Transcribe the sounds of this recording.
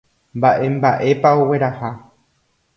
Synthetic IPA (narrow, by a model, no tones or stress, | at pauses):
mbaʔe̞mbaʔe̞pao̞we̞ɾaha